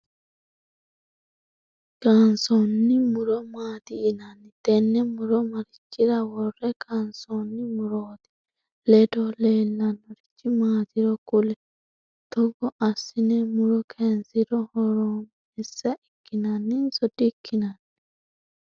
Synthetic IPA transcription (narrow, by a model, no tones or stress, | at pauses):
kansɔnːimuɾɔmaːd̪iːnanːit̪ɛnːɛmuɾɔmaɾit͡ʃːiɾawɔrːɛkʰansɔnːimuɾod̪i̥ | lɛdɔlɛlːanɔɾiit͡ʃːimaːt̪iɾɔkulɛ | t̪ɔɡɔʔasinɛmuɾɔkʰɛnsiɾɔhɔɾɔm | ɛsːaʔikːinanːinsɔdikʰːinanːi